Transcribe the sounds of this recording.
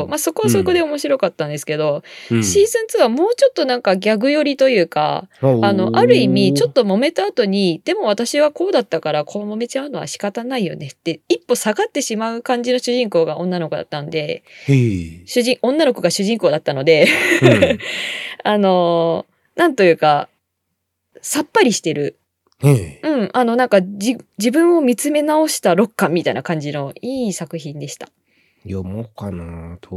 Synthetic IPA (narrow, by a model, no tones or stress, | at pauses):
maso̞ko̞βasoko̞d̪e̞o̞mo̞ɕiɾo̞kat̪ːãnd̪e̞sɨ̥ke̞d̪o̞ɕiːzɨ̃nt͡sɨβamo̞ːt͡ɕo̞t̪ːo̞nãŋkaɡʲaɡɯ̟jo̞ɾʲit̪o̞jɯ̟ːka̰ano̞ʔaɾɯ̟imʲit͡ɕo̞t̪ːo̞mo̞me̞t̪aːt̪o̞ɲ̟id̪̥e̞mo̞β̞at̪aɕiβako̞ːd̪at̪ːakaɾakʰo̞βmo̞me̞t͡ɕaɯ̟no̞βa̰ɕi̥kat̪anaijo̞̰ne̞t̪ːe̞ipːo̞saɡat̪ːe̞ɕimaɯ̟kãɲ̟d͡ʑino̞ɕɨʑĩŋko̞ːɡaʔõ̞nːano̞kod̪a̰t̪ːanod̪e̞ | ɕɨʑĩʔõ̞nːanoko̞ɡaɕɨʑĩŋko̞ːd̪at̪ːano̞d̪e̞ | ano̞ | nãnt̪o̞jɯ̟ːka | sapːaɾʲiɕi̥t̪e̞ɾɯ̟ | eɯ̟̃ɴano̞nãŋkad͡ʑid͡ʑibɯ̟̃ɰ̃o̞mʲit͡sɨme̞nao̞ɕi̥t̪aɾo̞kːãmʲːit̪aḭnakãɲ̟d͡ʑino̞iːsakɯ̟çĩnd̪e̞ɕi̥t̪ḁ | jomokanat̪ʰo